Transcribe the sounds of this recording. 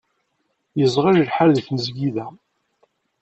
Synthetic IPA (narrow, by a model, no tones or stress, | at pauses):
jəzˤʁəʒlħaɾðθnəzɡiðæ